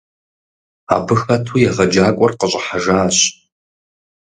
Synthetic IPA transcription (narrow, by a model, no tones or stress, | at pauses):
a̰ːbɨxɐtʰujɛʁɐd͡ʒaːkʷʼɔrqəɕʼɐħaʒaːɕ